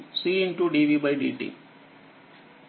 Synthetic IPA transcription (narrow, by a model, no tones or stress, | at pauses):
siːinʈuɖiʋibɐɪɖḭʈḭ